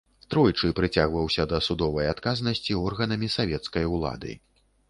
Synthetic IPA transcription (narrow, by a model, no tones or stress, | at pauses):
t̪ɾɔjt͡ʂɨpɾɨt͡sʲaɣvɐwsʲɐd̪ɐsud̪ɔvɐjat̪kaznɐsʲt͡sʲiɔrɣɐnɐmʲisavʲɛt̪skɐjulˠa̰d̪ɨ̰